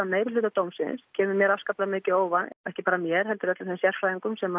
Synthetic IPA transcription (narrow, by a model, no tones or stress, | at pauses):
ameːjvɪlʏːt̪at̪oːwmsɪ̰nscʰɛːmʏmjɛːɾafskaplaðmɪːcɪoːwvaɛhcɪpaːɾamjɛɾ̥ɦɛlt̪ʏɾɛt̪laθesjɛr̥fɾaːiŋkʏmsɛma